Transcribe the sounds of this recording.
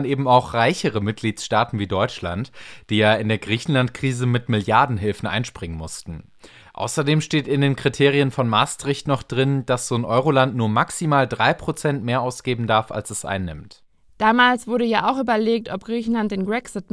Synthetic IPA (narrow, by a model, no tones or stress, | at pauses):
nʔeːbm̩aʊxʁ̥aɪçəʁəmɪt̚ɡ̥liːtsʃtaːtn̩viːdɔʏt͡ʃla̰ntd̥iːjaːɪndeːɐɡʁiːçn̩lantkʁ̥iːzəmɪtmɪljaɐdn̩ɦɪlfn̩ʔa̰ɪnʃpʁ̥ɪŋənmʊstn̩ | ʔa̰ʊsɐdeːmʃteːtɪndeːnkʁ̥itʰeːʁiənfɔnmaːstʁ̥ɪçtnɔχd̥ʁɪnd̥asz̥oːnʔɔʏʁolantnuːɐmaksimaːldʁaɪpʁ̥ot͡sɛntmeːɐʔaʊsɡ̥eːbm̩daɐfa̰lsɛsʔa̰ɪnːɪmt | d̥aːmaːlsv̥ʊɐɾəjaːʔaʊxʔyːbɐleːk̚tɔp̚ɡ̥ʁiːçn̩lant̚d̥eːnbʁɛksɪt̚